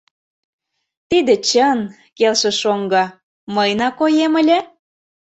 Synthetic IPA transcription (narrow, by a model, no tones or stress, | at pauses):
t̪id̪ĕt͡ɕən | kelʃĕʃoŋɡɑ | məjnɑkojeməlʲĕ